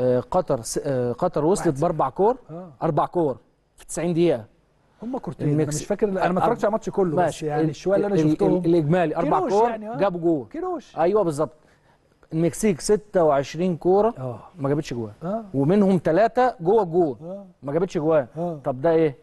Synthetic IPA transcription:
qɑt̪ˤɑɾˤseqɑt̪ˤɑɾˤwosˤlet̪bʔɑɾˤbaʕkoːɾˤʔɑɾˤbaʕkoːɾˤ | fi̥t̪e̥sʕiːnd̪ijʔæ | hommːækoɾt̪elmekseʃfækeɾænæmæɾˤɑk̪t̪ʃʕamɑt̪ʃkolːmæʃʃːowæjʔːænʃt̪ːlʔeɡmæːliʔɑɾˤbaʕoːɾˤnɡæːbuɡowːækɾoːʃʔæjwæbezˤːɑbt̪ˤ | elmeksiːkset̪ːæweʕeʃɾiːnkoːɾˤɑʔæːmæɡæbet̪ʃɡwæːwemenhomt̪ælæːt̪æɡowːæɡowːæmæɡæbet̪ʃɡowæːt̪ˤɑb̚d̪æʔeː

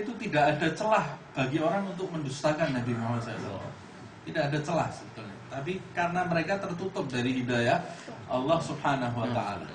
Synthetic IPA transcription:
it̪ut̪idakadat͡ʃəlahb̥aɡioɾaŋunt̪ʊk̚məndust̪akanːabimaɦasajasa̰l̰ | t̪idakadat͡ʃəla̰hsəbət̪ulɲat̪apikaɾənaməɾekat̪ərt̪ut̪ʊp̚daɾiɦidajaʔɑlːɔhsubhanaɦuwat̪aa̰la̰

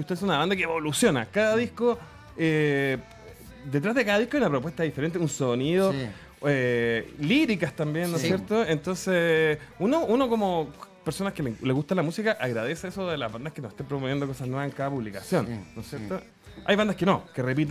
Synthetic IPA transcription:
ut̪eesunaβand̪akeβolusjo̞nakaðaðihko | e | d̪et̪ɾazðekaðaðihkoajunapɾo̞p̬we̞st̪aðifeɾent̪̬eunsoniðo | eliɾikast̪ambjenːosjeɾt̪oent̪o̞nseunoʔunokomopeɾso̞naskeleleɣust̪anlamusikaʔaɣɾaðeseesoðela̰vβand̪akenose̥t̪empɾoponjend̪okosanweaeŋkaðapuβlikasjonnosjeɾt̪o | a̰jβand̪askeno̰kerep̬it̪

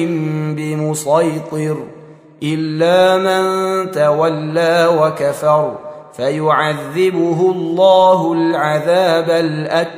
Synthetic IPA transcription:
ɪnbɪmʊsɑjt̪ˤɨɾ | ʔɪlːaːmant̪awalːaːwakafɑɾˤ | fajʊʕaðːɪbʊɦʊlˤːɑːɦʊlʕaðaːbalʔa

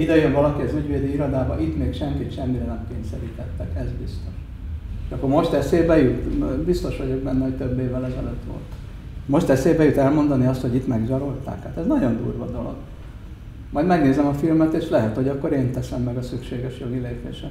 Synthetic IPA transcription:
id̪ɛjønvɒlɒkiɒzyɟʋeːd̪iiɾɒd̪aːbɒ̰ʔit̪meːkʃɛŋkit̪ʃɛmːiɾɛnɛmkeːɲsɛɾiːt̪ɛt̪ːɛkɛzbist̪o̞ʃ | eʃɒkːo̞rmo̞ʃt̪ɛseːbɛjut̪bist̪o̞ʃʋɒɟo̞ɡ̚bɛnːɛɦoc̚t̪øbːeːvːɛlɛzɛløt̪ʋo̰lt̪ | mo̞ʃt̪ɛseːbɛjut̪ɛlmo̞nd̪ɒniɒst̪ho̞ɟit̪mɛɡzɒɾo̞lt̪a̰ːkhaːt̪ɛznɒɟo̞nd̪ṵːrʋɒd̪o̞lo̞̰b | mɒjd̪mɛɡneːzɛmɒfilmɛt̪eːʃlɛɦɛt̪ho̞ɟɒkːo̞ɾeːnt̪ɛsɛmːɛɡɒsykʃeːɡɛʃjo̞ɡileːpḛːʃɛ

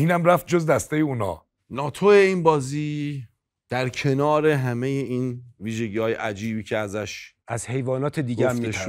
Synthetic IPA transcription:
iːnæmɾæft̪̚d͡ʒo̞zd̪æst̪ejeunɒ̰ː | nɒːt̪ʰoeiːnbɒːziː | d̪̥æɾcʰe̞nɒːɾe̞ɦæme̞jeʔiːnviːʒe̞ɟiːhɒːjḛʔæd͡ʒiːbiːcʰe̞æzæʃʔæzhe̞jvɒːnɒːt̪ʰed̪iːɡfmt̪ːieʃ

